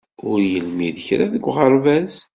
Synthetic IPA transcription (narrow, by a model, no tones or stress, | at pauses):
ʊɾjəlmiðçɾaðəɡʷːʁəɾˤvæz